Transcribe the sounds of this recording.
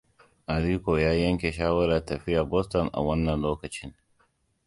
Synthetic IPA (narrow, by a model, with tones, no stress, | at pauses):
ʔa˨ɾiː˦kʷoː˨jaː˦jɐ˦ŋkʲeː˨ʃaː˦wɐ˦ɾa˨tɐ˨ɸɪ˦jaː˨bɔ˦stɔ˨nʔa̰˨wɐ˦nːɐ˨nloː˦kɐ˨t͡ʃɪ˦ŋ